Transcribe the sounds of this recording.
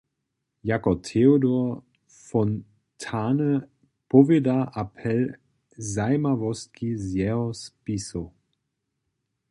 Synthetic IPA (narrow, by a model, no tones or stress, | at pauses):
jakɔtʰeodɔɐ | fɔn | tʰaːnə | pɔvedaʔapʰɛl | zajmavɔst̚kizjɛɦɔspiso